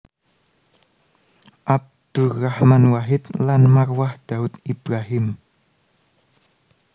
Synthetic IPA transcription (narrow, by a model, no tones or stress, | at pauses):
ap̚t̪uɣahmanwaɦit̪lanmakwaht̪aut̪ipɾaɦim